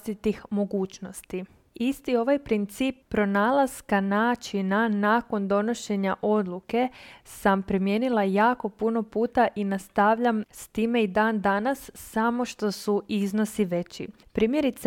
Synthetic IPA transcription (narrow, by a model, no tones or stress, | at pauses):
t̪it̪ixmo̞ɡuːt͡ɕno̞st̪i | ist̪io̞ʋajpɾint̪siːpːɾo̞naːlˠaz̥kanaːt͡ʃinanaːko̞nd̪o̞no̞ʃe̞ɲaʔo̞d̪luke̞sampɾimje̞ːnilˠajaːko̞puno̞puːt̪aʔinast̪aʋʎamst̪iːme̞id̪aːnd̪anasːamo̞ʃt̪o̞suizno̞siʋe̞t͡ɕḭ | pɾiːmje̞ɾit̪s